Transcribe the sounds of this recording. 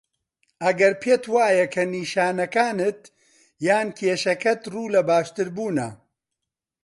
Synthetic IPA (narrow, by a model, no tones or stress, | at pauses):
ʔɐɡɐɾpʰeːt̪waːjɐkʰɐniːʃaːnɐkaːnɨt̪ | jaːnkʰeːʃɐkɐt̪ruːlɐbaːʃt̪ɨɾbuːnɐ̰